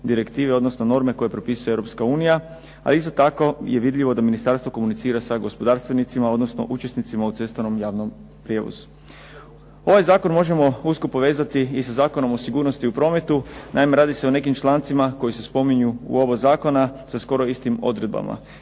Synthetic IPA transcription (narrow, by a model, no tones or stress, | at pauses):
d̪iɾe̞kt̪iːʋeod̪nosno̞no̞ɾme̞ko̞je̞pɾo̞piːsujeʋɾo̞pskauːnija | a̰liist̪ot̪ako̞je̞ʋid̪ʎiʋo̞d̪aminist̪aɾst̪ʋo̞ko̞munit̪siːɾasaɡo̞spo̞d̪aːɾst̪ʋenit̪simao̞d̪no̞sno̞̰ʔut͡ʃe̞snit̪simaut̪se̞st̪ano̞mjaːʋno̞m | pɾje̞ʋo̰zu̥ | o̞ʋajzaːko̞nmo̞ʒe̞mo̞uskopo̞ʋe̞ːzat̪iːsazaːko̞no̞mo̞siɡuːɾno̞st̪iupɾo̞ːme̞t̪unʔaime̞ɾaːd̪ise̞one̞kimt͡ʃlˠaːnt̪simako̞jise̞spo̞miɲuṵo̞bozaːko̞nasasko̞ɾo̞ist̪imo̞̰d̪ɾe̞d̪̚ba̰ma̰